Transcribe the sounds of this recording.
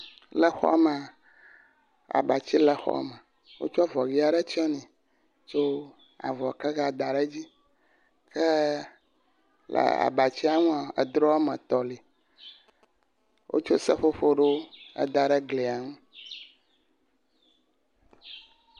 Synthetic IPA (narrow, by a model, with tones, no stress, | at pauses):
lɛ˨xɔ̰˦ma˨ | a̰˨ba˨t͡ɕi˦lɛ˨xɔ̰˦mɛ˨ | wo̰˦t͡ʃɔ˦vɔ˨ɣi˦a˨ɖɛ˦t͡ʃɛ˦nɛ̃˨ | t͡ʃo˦ | a̰˨vɔ˨kɛ˦ɣa˦˨d̪a˨ɖɛ˦d͡ʑi˦ | kʰɛ˦ | lḛ˨a̰˨ba˨t͡ɕi˦a˦˨ŋũ˦a˨ɛ̰˨d̪ɾɔ˦a˦mɛ˨t̪ɔ˨li˨ | wʔo̰˦t͡ʃo˦sɛ˦ɸo˦ɸo˦ɖe˦o˦ɛ̰˨d̪a˨ɖe˦ɡle˨a˨ŋũ˦